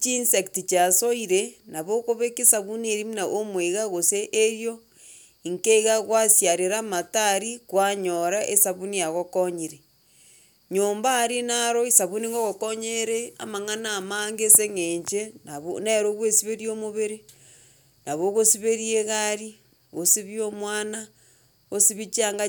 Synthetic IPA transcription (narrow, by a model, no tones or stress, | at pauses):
t͡ʃinsektit͡ʃasoiɾenaβokoβekesaβuneɾimnaʔomweɣaɣoseʔeɾjo | iŋkeɣaɣwasjaɾeɾamataɾikwaɲoɾaʔesaβunijaɣokoɲiɾe | ɲoːmbaɾinaɾoisaβuniŋɡoɣokoɲeɾea̰maŋanaːmaŋɡeseŋeɲt͡ʃenaβoneɾoɣwesiβeɾiomoβeɾe | naβoɣosiβeɾieɣaɾi | ɣosiβjomwana | osiβit͡ʃaŋɡa